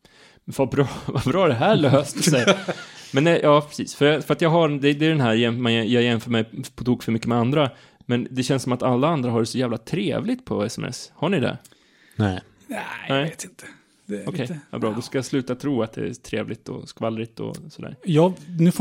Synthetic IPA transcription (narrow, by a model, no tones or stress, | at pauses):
vabɾɑːvabɾɑːæɖɛɦæːɾɭøːst̪ɔsɛjamɛnːɛʔɑːpʰɾɛ̥sḭːsfœɾjɑfœɾat̪jɑːɡɦad̪ɛd̪ɛːɖɛnɦæːɾjɛnmanjjɑːɡjɛnfœːɾmɛjpʰɔt̪ʰuːkfœɾmʏkːəmɛand̪ɾa | mɛnd̪ɛɕɛnsɔmat̪alːaand̪ɾaɦaɖɛsɔjæːvlat̪ʰɾḛːvlɪt̪̚pʰɔɛsɛ̰mɛ̰shaɳɪd̪ɛ̰ | nɛɪ | nnæɪt̪ɪnt̪ʰə̥ | ɔkɛjva̰bɾɑːd̪ɔskajaslʉ̟ːt̪at̪ʰɾuːat̪̚d̪ɛ̰æ̰t̪ʰɾḛːvlɪt̪ɔ̰skvalːɾɪt̪ɔ̰sɔd̪æ̰ːɾjɑːnʉ̟f